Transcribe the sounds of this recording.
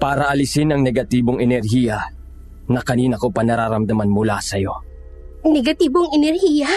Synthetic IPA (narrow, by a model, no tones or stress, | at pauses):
paːɾɐʔɐlɪsɪnɐŋnɛɡɐt̪iːboŋɛnɛɾɦijɐ | nɐkɐniːnɐkopɐnɐɾaːɾɐmd̪ɐmanmʊlasɐjo̞ | nɛɡɐt̪iːboŋɛnɛɾhiːjɐ